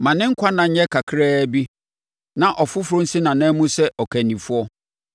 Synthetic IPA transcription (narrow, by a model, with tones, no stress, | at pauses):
mã˨nɪ̃˦ŋ̩˦kʷʰa˦nã˨ɲ̩˦ɲɛ˦kʰa˨kʰɾɛː˦bi˦ | nã˨ʔɔ˨fʊ˦fʊ˨ɾʊ̃˦n̩˦sɪ˦nã˨nã˦mũ˦sɛ˦ʔɔ˨kʰæ˨nĩ˨fʊ˦ɔ˦